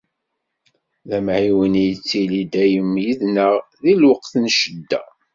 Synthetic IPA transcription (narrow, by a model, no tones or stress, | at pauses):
ðæmʕiwənijət͡sːilid̪æjəmːjəðnəʁðilwəqθənʃəd̪ːæ